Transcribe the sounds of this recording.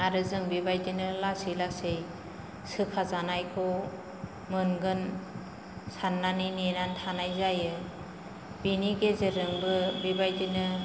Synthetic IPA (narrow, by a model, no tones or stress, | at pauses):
aɾɯzɯŋbibajdinɯlasilasej | sɯpʰazanajkʰɔ | mɯnɡɯn | sanːaninenantʰanajzajɯ | biniɡezɯɾɯŋbɯbibajdinɯ